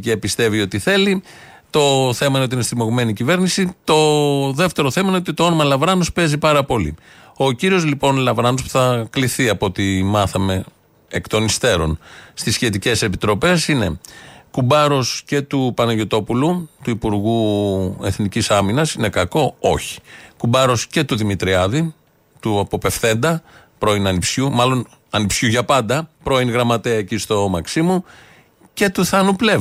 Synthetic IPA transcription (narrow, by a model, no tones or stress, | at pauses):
cepist̪e̞vio̞t̪iθe̞lit̪o̞θe̞mɐineot̪inesθimo̞ɣme̞nicive̞ɾnisit̪o̞ðe̞ft̪e̞ɾo̞θe̞mɐineot̪it̪o̞o̞nomɐlɐvɾɐno̞spe̞zipɐɾɐpo̞lḭ | o̞ciɾio̞zlipo̞nlɐvɾɐno̞spu̥θɐkliθiɐpo̞t̪imɐθɐme̞ | ekt̪o̞nist̪e̞ɾo̞̰nst̪isçe̞t̪ice̞se̞pit̪ɾo̞pe̞sine̞̰kubɐɾo̞sce̞t̪upɐnɐʝot̪o̞pulut̪uipuɾɣue̞θnicisɐminɐsine̞kɐko̞o̞çi̥kubɐɾo̞sce̞t̪uðimit̪ɾiɐði | t̪uɐpo̞pe̞fθe̞nd̪ɐ | pɾo̞inɐnipsçumɐlo̞n | ɐnipsçuʝɐpɐnd̪ɐpɾo̞inɣɾɐmɐt̪eɐecist̪o̞mɐksimu | ce̞t̪uθɐnuple̞